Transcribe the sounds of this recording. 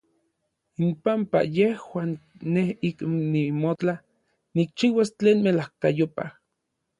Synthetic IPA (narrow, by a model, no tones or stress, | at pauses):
impampa̰jehwaːnːehiknimot͡ɬa | nik̚t͡ʃiwast͡ɬeːnmelahkajopa̰h